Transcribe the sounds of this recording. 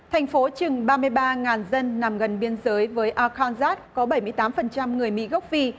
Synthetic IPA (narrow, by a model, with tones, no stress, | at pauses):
t̪ʰɛ˨˩jŋ̟fo˨˦t͡ɕɨ˨˩ŋɓaː˧mɨ˧əjɓaː˧ŋaː˨˩nzə˧nːa˨˩mɣə˨˩nɓi˧ənzəː˨˦jvəː˨˦jʔaː˧kʰaː˧nzaː˦˥t̚kɔ˨˦ɓə˧˩jmɨ˧əjt̪aː˨˦mfə˨˩nt͡ɕa˧mŋɨ˨˩əjmḭ˧˨ɣa˦˥wk͡p̚vi˧